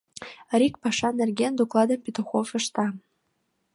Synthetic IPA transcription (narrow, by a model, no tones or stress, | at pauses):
ɾʲik̚pɑʃɑnerɡend̪oklˠɑd̪ə̆mpʲit̪oxofɤ̆ʃt̪ɑ